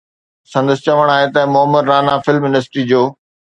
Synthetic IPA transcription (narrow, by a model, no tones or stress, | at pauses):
sɐ̃nd̪əsɪt͡ɕɐʋəɽ̃aːɦet̪ɐmʊɦəmːəɾɾaːnafɪlmjʊnəs̬ɪ̥ʈɾid͡ʑoː